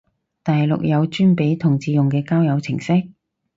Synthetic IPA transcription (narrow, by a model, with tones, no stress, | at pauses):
t̪ɐ˨jlʊ̰˨k̚jɐ˨˧wt͡ʃyː˥npe˨˧˥jt̪ʰʊ˨˩ŋt͡siː˨˧jʊ˨˩ŋkɛː˧kaː˥wjɐ˨˧wt͡sʰɪ˨˩ŋsɪ˥k̚